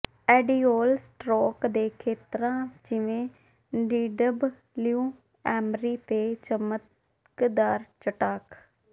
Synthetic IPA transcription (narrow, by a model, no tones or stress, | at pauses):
ɛːɖiːoːlsʈɾoːkd̪eːkʰeːt̪ɾãːd͡ʒɪʋẽː | ɖiːɖəb | ljũː | ɛːmɾiːt̪eːt͡ʃəmət̪ | kd̪aːɾt͡ʃəʈaːk